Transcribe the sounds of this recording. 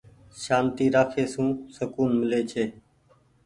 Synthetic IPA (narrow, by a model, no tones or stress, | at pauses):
ʃaːnt̪iːɾaːkʰeːsũːsəkuːnmɪleːt͡ʃʰeː